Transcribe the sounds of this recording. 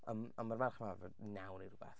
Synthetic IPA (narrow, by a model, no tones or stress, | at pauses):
əmɔnmarmarχmavɛnawnirubɛ̰θ